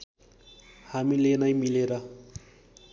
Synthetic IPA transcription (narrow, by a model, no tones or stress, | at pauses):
hamilenajmileɾʌ